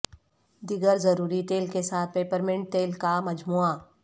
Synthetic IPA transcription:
d̪ɪɡəɾzɐɾuːɾiʈeːlkesaːt̪̚ʰpeːpəɾmɪ̃ɳʈʈeːlkamɐd͡ʒmuːa

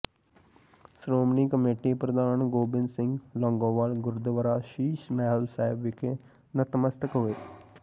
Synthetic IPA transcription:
sɾoːmniːkəmeːʈiːpɾəd̪aːnɡoːbɪnsɪ̃ŋɡlɔ̃ːŋɡõːʋaːlɡʊɾd̪ʋəɾaːʃiːʃmɛːɦəlsaːɪbʋɪkʰeː | nət̪məst̪əkɦʊeː

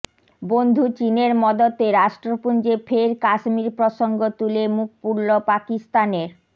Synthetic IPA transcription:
bond̪ʱut͡ɕineɾmɔd̪ot̪eɾaʃʈɾopund͡ʑefʰeɾkaʃmiɾpɾoʃoŋɡot̪ulemuk̚puɾlopakist̪aneɾ

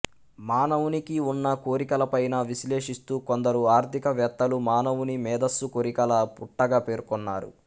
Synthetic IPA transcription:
maːnɐʋunikiunːɐko̞ːɾikɐlɐpɐjnɐʋisle̞ːʂist̪uːkond̪ɐɾuaːɾt̪ʰikɐʋjɐt̪ːɐlumaːnɐʋunimɛːd̪ɐsːukoɾikɐlɐpuʈːɐɡaːpe̞ːɾkɔnːaːɾṵ

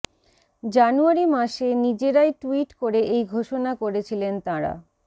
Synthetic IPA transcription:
d͡ʑanuaɾimaʃenid͡ʑeɾaeʈuiʈkoɾeʔejɡʱoʃonakoɾet͡ɕʰilent̪aɾa̰

